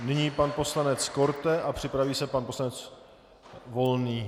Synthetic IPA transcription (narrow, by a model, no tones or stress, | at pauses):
nɪɲiːpanpo̞slanɛt͡sko̞ɾt̪ɛʔapr̥ɪpɾaviːsɛpanpo̞slanɛt͡s | vo̞lniː